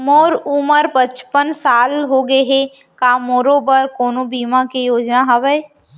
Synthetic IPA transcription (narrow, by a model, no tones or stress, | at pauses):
moːɾuməɾpət͡ʃpənsaːlɦoɡəeɦe | kaːmoːɾoːbəɾkoːnõbiːmakejoːd͡ʒnaɦɐbəe